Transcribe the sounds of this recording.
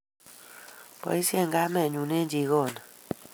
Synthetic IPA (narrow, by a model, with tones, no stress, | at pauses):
pɔ̰˨i˦si˦e˦˨ŋɡa˦mɛ˦˨ɲu˨ne˦d͡ʒi˨˦ɣɔ˦˨na˨